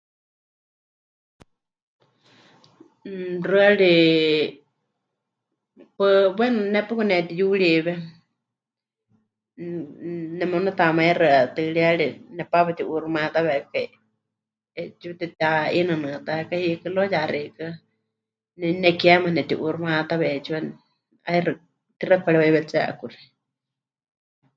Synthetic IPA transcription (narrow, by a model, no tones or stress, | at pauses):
rɨaɺi | pɨbɛnnɛpɨkunɛt̪ijuɺiβɛ | nɛmonat̪amaiɾɨat̪ɨɺiaɺinɛpaβɛt̪iʔuɾumãt̪aβɛkai | ɛt͡ʃit̪ɛt̪ainɨnɨt̪aɛkahikɨlojaɾikɨ | nɛnɛkiamanɛt̪iʔurumat̪aβɛt͡ʃiwa | airɨ | t̪irakʰʷaɺɛwaβɛt͡sa̰ʔkuɾi̥